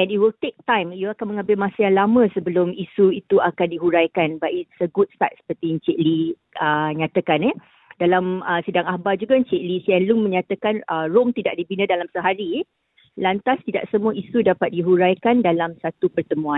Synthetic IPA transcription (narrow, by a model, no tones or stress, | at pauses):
ʔɛ̃niwilt̪ek̚t̪ãjmjuakanmə̃ŋãmbɪlmãsajaŋlamə̃səbəlʊmisuit̪uakandiɦuɾajkanbaʔisəɡut̚st̪a̰t̪̚sə̥pərt̪int͡ʃeʔli | ʔəɲat̪akanɛ | dalaməsədaŋahbad͡ʒuɡaɲt͡ʃeʔlisiɛnluŋmə̃ɲãt̪akanəromt̪idaʔ̚dibinə̃dalamsəɦaɾi | lant̪ast̪ida̰ʔsəmũaisudapat̪̚diɦuɾajkandalamsat̪upərt̪əmũãn